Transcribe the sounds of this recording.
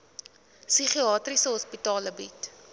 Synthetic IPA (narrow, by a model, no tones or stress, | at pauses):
syχiɑːtrisəɦɔspitɑːləbit